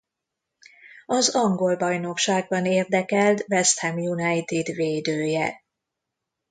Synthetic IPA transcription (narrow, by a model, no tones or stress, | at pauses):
ɒzɒŋɡo̞lbɒjno̞kʃaːɡ̚bɒneːrd̪ɛkɛlt̪vɛst̪hɛmjunɛjt̪id̪veːd̪øːjɛ